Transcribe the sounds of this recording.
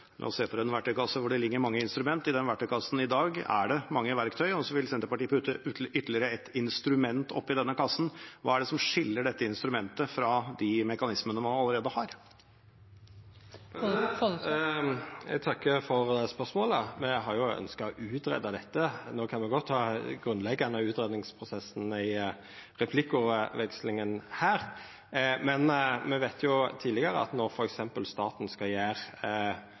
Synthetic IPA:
lʔɑ̰ːɔseːpʰɔɾɛnʋæʈʰːœʏkʰɑsːəʋʊɖɛlɪɡːəɾmɑŋːəɪnst̪ɾʉmɛnt̪ːɪd̪ɛnʋæʈʰːœʏkʰɑsːn̩ɪd̪ɑːɡæ̰ɖɛmɑŋːəʋæɾkt̪ʰœʏɔsɔʋɪlsɛnt̪əpɑʈiːəpʉt̪ːəʏt̪ːəlɪəɾəɛt̪ɪnst̪ɾʉmɛnt̪ɔ̰pːɪd̪ɛnːəkɑsːn̩ʋɑ̰ːæɖɛsɔmʂɪlːəɖɛt̪ːəɪnst̪ɾʉmɛnt̪əfɾɑd̪ɪmɛkɑnɪsmənəmɑnɑlːəɾeːd̪əhɑɾ | t̪ʰɑkːəfɔɾd̪ɛːspœʁsmoːləmɛɦɑɾjʊœ̰nskɑʔʉːt̪ɾɛ̰d̪ɑd̪ɛt̪ːənoːkʰɑnmɛɡɔt̪ʰːɑːɡɾʉnlɛɡːnəʉːt̪ɾɛːd̪nɪŋspʰɾʊsɛsn̩ɪ | ɾɛpʰlɪkːʊʋɛkslɪŋənhæːɾ | mɛnmɛʋæɪt̪ʰjʊt̪ʰiːdlɪɡəɾə̰ɑ̰t̪nɔɾfɔɾɛksɛmpəlst̪ɑːt̪nskɑjæːɾ

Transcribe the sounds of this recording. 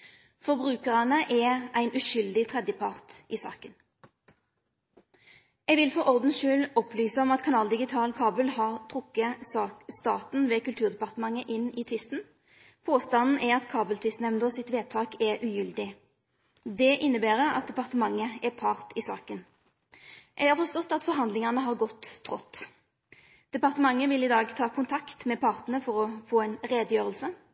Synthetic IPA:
fɔʁbʁʉːkəʁɑnəʔɛʔæɪnʔʉʃʏld̪ɪt̪ʰʁɛd̪jəpʰɑʁt̪ʔɪsɑ̰ːkən | ɛɡʋɪlfɔʁɔʁd̪n̩ʃʉːlɔplyːsəɔmɑt̪kʰɑnɑːld̪ɪɡɪt̪ʰɑːlkʰɑːbəlhɑʁt̪ʰʁʊkːəsst̪ɑːt̪n̩ʋɛkʉlt̪ʰʉːʁd̪ɛpɑʁt̪əmɑŋːəʔɪnɪt̪ʰʋɪst̪n̩ | pʰoːst̪ɑnn̩ʔɛɾɑt̪kʰɑːbəlt̪ʰʋɪst̪n̩ɛnd̪oːsɪt̪ʋeːt̪ʰɑːkɛʁʔʉjʏld̪ɪ | d̪ɛʔɪnːəbæːʁəɑ̰t̪̚d̪ɛpɑʁt̪əmɑŋːəɛpʰɑːʁt̪ɪsɑ̰ːkən | jɛɡhɑːɾfɔʂt̪ɔt̪ːɑt̪fɔɾɦɑnd̪lɪŋɑnəɦɑːʁɡɔt̪ʰːʁɔt̪ː | d̪̥ɛpɑʁt̪əmɑŋːəʋɪlɪd̪ɑːɡt̪ʰɑːkʰʊnt̪ʰɑkt̪mɛpʰɑːʁt̪n̩əfɔʁɔfoːɛɪnʁeːd̪jøːʁəlsə

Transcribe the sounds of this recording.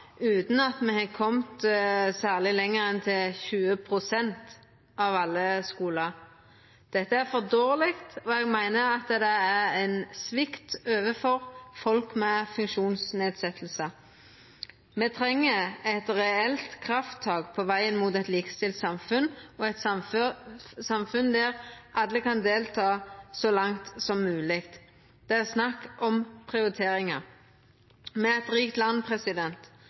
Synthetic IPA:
ʉːt̪n̩ɑt̪mɛhɛkʰɔmt̪sæːʁlɪlɛŋːəɾɛnt̪ʰɪlçʉːəpʰʁʊsɛnt̪ | ɑʋɑlːəskuːləʁ | d̪̥ɛt̪ːəæʁfɔd̪oːʁlɪkt̪ɔɛɡmæɪnəɑt̪d̪ɛæʁæɪnsʋɪkt̪øːʋəfɔʁfɔlkmɛfʉŋkʃuːnsneːd̪sɛt̪ːl̩sə | meːt̪ʰɾɛŋːəɛt̪ɾɛɛlt̪kʰɾɑft̪ʰːɑːɡpʰɔʋæɪənmuːt̪ɛt̪lɪkə̥st̪ɪlt̪sɑmfʉnɔɛt̪sɑmf | sɑmfʉnd̪æʁʔɑd̪əkɑnd̪eːlt̪ʰɑːsɔlɑŋt̪sɔmːʉːlɪkt̪ | d̪̥ɛæʁsnɑkːʔɔmpʰʁɪʊɾɪt̪ʰeːɾɪŋəʁ | mɛɛt̪ɾiːkt̪lɑnːpʰʁɛsɪd̪ɛnt̪

